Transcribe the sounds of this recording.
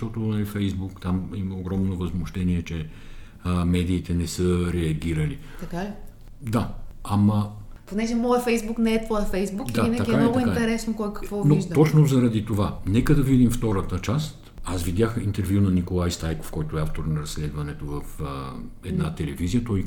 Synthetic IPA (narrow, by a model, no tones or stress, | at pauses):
ʃt̪ɔt̪onɐlifɛjzbukt̪amiməoɡɾɔmnovɐzmoʃt̪ɛniɛt͡ʃɛ | mɛd̪iːt̪ɛnɛsɤɾɛɐɡʲiɾəlit̪ɐka | d̪aɐmɐ | ponɛʒɛmɔjəfɛjzbuknɛɛt̪vɔjəfɛjzbukd̪ainəɐɡʲiɛamnɔɡ̪ʊĩkat̪ɛɾɛsnokɔjkɐ̥kvɔnvoiʒd̪t̪ɔt͡ʃnozɐɾɐd̪it̪ovanɛkəd̪ɐvid̪imft̪ɔɾət̪ət͡ʃast̪ | asvid̪jaxint̪ɛɾvjunɐnikolˠajst̪ajko̥fkɔjt̪ʊɛaft̪oɾnɐɾɐsːlɛd̪vɐnɛt̪ovɐfəɛd̪nat̪ɛlɛvizijət̪ɔj